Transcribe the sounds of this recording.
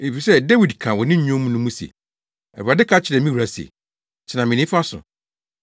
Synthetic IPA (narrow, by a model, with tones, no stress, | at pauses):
e˨fi˨sɛ˦dɛ˦wi˨dkʰã˨wɔ˨nɪ̃˦ɲõ˦mũ˦nũ˦mũ˦sḛ˨ | ɛ̰˨ɾu˨a˨dɪ˦kʰa˦t͡ɕʰɪ˨ɾɛ˨mĩ˦wu˨ɾa˦si˨ḛ˨ | t͡ɕʰɪ˨nã˨mɪ̃˨nɪ̃˦fa˦sʊ̰̃˨